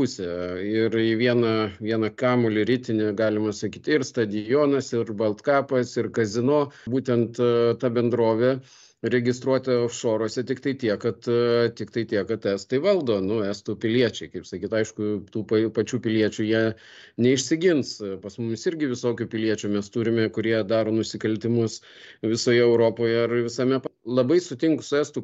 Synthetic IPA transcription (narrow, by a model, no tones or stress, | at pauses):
pʊsʲɛɪrɪʋʲiɛnɐʋʲiɛnɐkɑːmʊlʲɪɾʲɪt̪ʲɪnʲeɡɑːlʲɪmɐsɐkʲiːt̪ɪrst̪ɐd̪ʲɪjoːnɐsɪrbɐlˠt̪kɑːpɐsɪrkɐzʲɪnoːbuːt̪ʲɛnt̪t̪ɑbʲɛnd̪ɾoːʋʲɛ | ɾʲɛɡʲɪst̪ɾuɔt̪ʲɛfʃoːɾoːsʲɛt̪ʲɪkt̪ɐɪt̪ʲiɛkɐt̪t̪ʲɪkt̪ɐɪt̪ʲiɛkɐt̪æːst̪ɐɪʋɐlˠd̪oːnʊæːst̪ʊpʲɪlʲiɛt͡ʃʲɛɪkɐɪpsɐkʲiːt̪ɐɪʃkʊt̪uːpɐpɐt͡ʃʲuːpʲɪlʲiɛt͡ʃʲujiɛ | nʲɛɪʃʲsʲɪɡʲɪnspɐsmʊmʲɪsɪɾʲɡʲɪʋʲɪsoːkʲuːpʲɪlʲiɛt͡ʃʲʊmʲɛst̪uːɾʲɪmʲɛkʊɾʲiɛd̪ɑːɾoːnʊsʲɪkɐlʲt̪ʲɪmʊs | ʋʲɪsoːjɛɛʊɾoːpoːjɛɐrʋʲɪsɐmʲɛplˠɐbɐɪsʊt̪ʲɪŋkʊsʊæːst̪ʊ